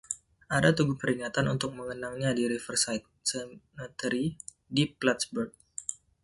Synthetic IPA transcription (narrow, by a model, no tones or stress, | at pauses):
ʔadat̪uɡʊhpəɾiŋat̪anunt̪ʊk̚məŋənaŋɲadiɾifərsajt̪̚sənət̪əɾi | diplat̪sbərk̚